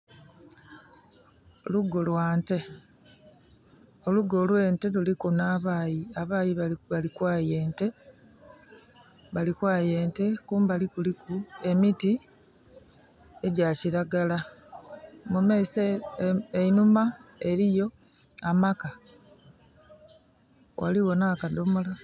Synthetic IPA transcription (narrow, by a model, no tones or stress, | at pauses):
luɡolwaːnte̞ | o̞luɡolwe̞ːnte̞lulikunaːβaːjiaβaːjiβaβalikwaːje̞ːnte̞ | βalikwaːje̞ːnte̞kuːmbalikulikue̞miti | e̞ɟaciɾaɡala | mumeis | einumae̞ɾijo̞ | amaka | wʔa̰liwo̞naːkado̞mola